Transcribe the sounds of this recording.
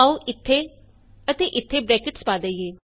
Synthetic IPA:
aːuʔɪt̪ʰːeː | ət̪eːʔɪt̪ʰːeːbɾɛːkɪʈspaːd̪aieː

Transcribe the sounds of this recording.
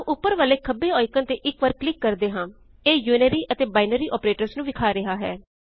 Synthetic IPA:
ʔʊpːəɾʋaːleːkʰəbeːɔːɪkənt̪eːʔɪkʋəɾklɪkːəɾd̪eːɦãː | eːjuːnəɾiːʔət̪eːbaːɪnəɾiːʔɔːpɾeːʈəɾsnũːʋɪkʰaːɾɪɦaːɦɛ̰ː

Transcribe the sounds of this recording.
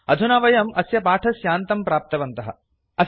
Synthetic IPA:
ɐd̪ʱunaʋɐjɐmɐsjɐpaːʈʰɐsjaːnt̪ɐmpɾaːp̚t̪ɐʋɐnt̪ɐɦɐ̰ | ɐ

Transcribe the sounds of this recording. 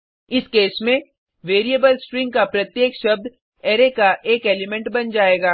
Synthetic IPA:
ɪskeːsmẽ | ʋeːɾijəbəlsʈɾɪ̃ŋɡ̚kapɾɐt̪jeːkʃɐb̚d̪ | eːɾekaʔeːkeːlɪmɛ̃ɳʈbɐnd͡ʒaːeːɡaː

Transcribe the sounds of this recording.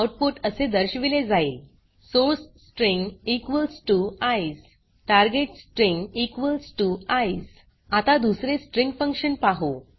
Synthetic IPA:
awʈ̚poʈəsed̪əɾɕʋiled͡zail | soɾsːʈɾĩŋɡikʋəlsʈuajs | ʈaɾɡeʈsʈɾĩŋɡikʋəlsʈuajs | at̪ad̪usɾesʈɾiŋɡfə̃ŋkʂənpaɦo

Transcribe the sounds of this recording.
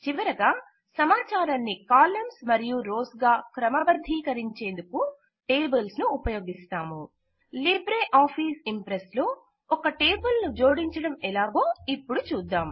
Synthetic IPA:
t͡ʃiʋɐɾɐɡaː | sɐmaːt͡ʃaːɾanːikaːlɐmsmɐɾijuɾoːsɡaːkɾɐmɐʋɐɾd̪ʱiːkɐɾiɲt͡ʃe̞ːnd̪uku | ʈeːbɐlsnuːpɐjoːɡist̪aːmu | libɾeːʔaːpʰiːsimpɾeslo̞ː | ɔkɐʈeːbɐlnud͡ʒo̞ːɽiɲt͡ʃɐɽɐmɛlaːɡo̞ːipːuɽut͡ʃuːd̪ːaːm

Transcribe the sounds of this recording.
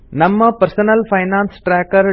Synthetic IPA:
nɐmːɐpɐɾsɐnɐlfɐɪnaːnsʈɾaːkɐɾ

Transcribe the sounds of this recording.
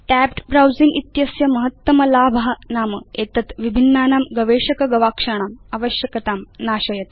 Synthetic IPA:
ʈæpʈbɾawd͡ziŋɡit̪jɐsjɐmɐɦɐt̪ːɐmɐlaːbʱɐɦɐnaːmɐ̰eːt̪ɐt̪ʋibʱinːaːnaːmɡɐʋeːʂɐkɐɡɐʋaːkʂaɳ̃aːmɐʋɐɕjɐkɐt̪aːmnaːɕɐjɐt̪

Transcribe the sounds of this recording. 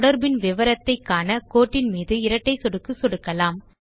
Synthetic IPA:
ɽɐɾbɪnʋɪʋɐɾɐt̪ːɐɪkːaːnɐkoːʈːɪnmiːðɯɪɾɐʈːɐɪsɔɽɯkːɯsɔɽɯkːɐlaːm

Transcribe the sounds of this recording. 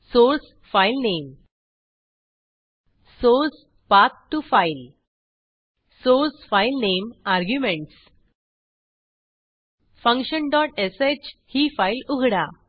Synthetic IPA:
soɾs | failnem | soɾs | pat̪̚ʈːufail | soɾsfailnemaɾɡjumẽɳʈs | fə̃ŋkɕənɖɔʈeset͡ɕhiːfailuɡʱɽa

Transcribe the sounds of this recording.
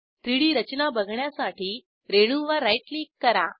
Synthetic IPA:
t̪ɾiɽiːɾət͡ɕnabəɡʱɳjasaʈʰiː | ɾeɽ̃uːʋaɾajʈlikːəɾa

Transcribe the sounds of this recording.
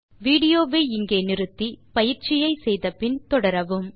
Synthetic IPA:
ʋiːɽɪjoːʋeːɪŋɡeːnɪɾɯt̪ːipɐjɪɾt͡ʃɪjɐɪsɛjðɐpɪnt̪ɔɽɐɾɐʋɯm

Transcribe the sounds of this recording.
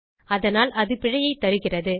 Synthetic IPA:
ɐðɐnaːlʔɐðɯpɪɻɐjɐɪt̪ːɐɾɯɣɪrɐðɯ

